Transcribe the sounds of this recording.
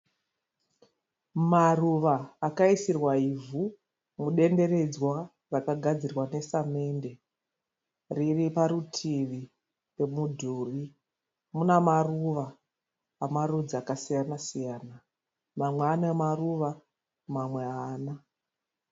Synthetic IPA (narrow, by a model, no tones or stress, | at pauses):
maruʋaːkaisirwaivu | muɗe̞nde̞ɾe̞d͡zwa | rakaɡʱad͡zirwane̞same̞nde̞ | riripaɾutʰiʋi | pe̞mudʱuːri | munamaruʋaː | marud͡ziakasijanasijaːna | mamweanamaruʋa | mamwe̞aːna